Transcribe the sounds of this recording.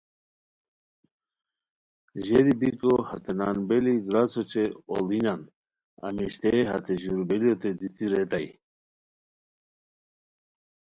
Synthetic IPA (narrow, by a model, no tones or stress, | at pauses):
ʒɛɾibikohat̪ʰenanbɛliɡɾat͡sɔt͡ʃeɔ̰linan | a̰miʃt̪eɦa̰t̪ʰeʑuɾbɛliot̪ʰed̪it̪ʰiɾɛt̪aj